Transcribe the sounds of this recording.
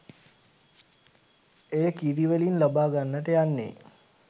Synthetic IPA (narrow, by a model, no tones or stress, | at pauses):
ejəkiɾiʋelinlabaːɡanːəʈəjanːḛ